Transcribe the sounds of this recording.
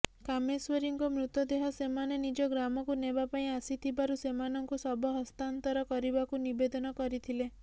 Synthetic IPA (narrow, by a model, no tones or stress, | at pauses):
kamesweɾiŋkɔmɾut̪ɔd̪eɦɔsemanenid͡ʒɔɡɾamɔkunebapaĩasit̪ʰibaɾusemanɔŋkusɔbɔɦɔst̪ant̪ɔɾɔkɔɾibakunibed̪ɔnɔkɔɾit̪ʰile